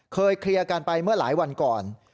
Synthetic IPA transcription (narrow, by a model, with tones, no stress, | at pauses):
kʰɤː˧jkʰɾi˧kaː˧npa˧jmɯ˥˩ɐlaː˩˦jwa˧nkɔː˨˩n